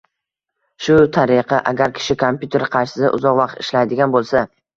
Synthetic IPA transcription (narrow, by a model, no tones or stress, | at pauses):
ʃʊt̪ʰaɾɪqʰɑʔaɡʲaɾkʲʰɪ̥ʃɪkʰompjut̪ʰe̞ɾqʰɑɾʃɪ̥sa̰ʔʊ̰zɒqvɑqt̪ɪ̥ʃlajd̪ɪɡʲanbolˠsa